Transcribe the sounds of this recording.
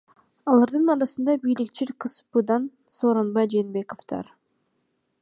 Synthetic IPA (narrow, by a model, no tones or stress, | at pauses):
ɑlˠɑɾd̪ɯnɑɾɑsɯnd̪ɑbijlʲikt͡ʃiɾqʰɯspɯd̪ɑn | soːɾonbɑjd͡ʒeːnbe̞koft̪ɑ̰ɾ